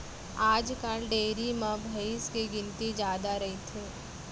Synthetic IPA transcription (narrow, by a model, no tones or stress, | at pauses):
aːd͡ʒkalɖeːɾimãbʱəɪskiɡɪ̃nt̪id͡ʒjaːd̪aɾɐɦit̪ʰeː